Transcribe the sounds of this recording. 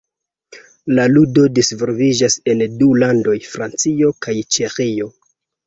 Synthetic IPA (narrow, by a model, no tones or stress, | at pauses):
laludo̞disvolvid͡ʒase̞ndulando̞jfɾant͡sio̞kajt͡ʃe̞xio̞